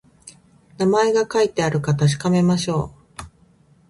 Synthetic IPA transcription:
namae̞ɡakait̪ːe̞aɾɯ̟kat̪aɕ̬i̥kame̞maɕo̞ː

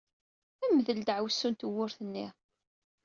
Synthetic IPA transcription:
æməðəld̪ʕwsːunt̪əwːʊɾθənːiʁ

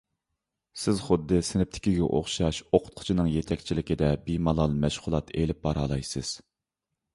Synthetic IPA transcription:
sɪzχʊd̪ːɨsɪnɪp̚t̪ʰɪ̥kʲiɡʲɛ̰ʔo̰χʃɑʃoqʰʊ̥t̪̚qʰʊ̥t͡ʃʰinɨŋjet̪ʰɛkʲt͡ʃʰilɪkʲɪd̪ɛbimɑlˠɑlˠmɛʃʁʊlˠɑt̪elɪp̚bɑɾɑlˠɑjsɨz̥

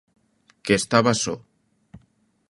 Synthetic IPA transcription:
kest̪aβaso

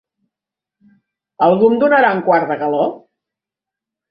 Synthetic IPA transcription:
əlˠɣumd̪unəɾauŋkwaɾðəɣəlo

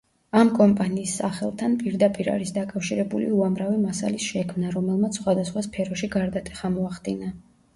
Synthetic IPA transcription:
amkʼɔmpʼaniːsːaχɛlˠt̪ʰanpʼiɾd̪apʼiɾa̰ɾisd̪akʼafʃiɾɛbulḭuamɾavimasa̰lisʃɛkʰmnaɾɔmɛlˠmat̪sʰsχwad̪asχwaspʰɛɾɔʃiɡaɾd̪at̪ʼɛ̥χamɔaχd̪ina

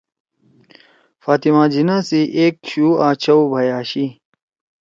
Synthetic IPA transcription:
faːt̪imãːd͡ʑinãsiʔeːk̚ɕuːaːt͡ɕʰɐwbʱɐjaːɕi

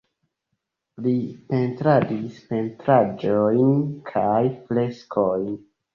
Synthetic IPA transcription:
lipe̞ntɾadispe̞ntɾad͡ʒojnkʰajfle̞skʰojn

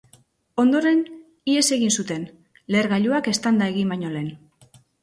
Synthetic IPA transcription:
o̞nd̪o̞ɾe̞n | ie̞se̞ɣinsut̪e̞n | le̞ɾɣaʎuake̞st̪and̪ae̞ɣ̞imbaɲo̞le̞n

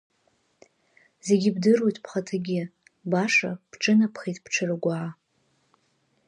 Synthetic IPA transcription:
ze̞ɡʲibdɨrojtʼpʰχatʰaɡʲɪ | baʂa̰pʰʈ͡ʂʼɨnapʰχejtʼpʰʈ͡ʂʰɨrɨɡʷaʕa

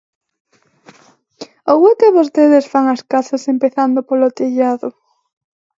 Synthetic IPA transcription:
owekeβost̪eðesfaŋɐskaθasempeθand̪opolot̪eʎaðʊ

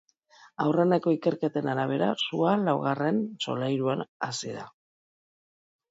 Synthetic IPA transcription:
awreneko̞ike̞ɾke̞t̪e̞naɾaβ̞e̞ɾa̰sualawɣare̞nso̞̰lajɾuanasiða̰

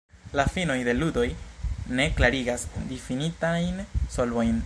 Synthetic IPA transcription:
lafino̞jde̞ludo̞jne̞klaɾiɡasdifinitajnso̞lvo̞jn

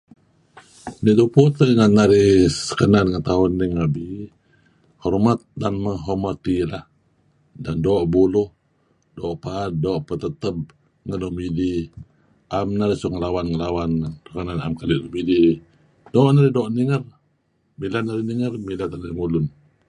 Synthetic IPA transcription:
niduput̪əŋanːaɾɪhssə̥kənanŋənt̪aɦʊnːiŋabi | hɔrmat̪̚danməŋɦɔmat̪ilah | dandɔːʔbulʊh | dɔːʔpad̚dɔːʔpət̪ət̪əp̚ | ŋənumidi | ʔamnaɾisuŋəlawanŋəlawantəkənana̰mkaliʔnumidi | dɔːʔnaɾidɔːʔniŋər | milanaɾihniŋərmilat̪anaɾimulʊn

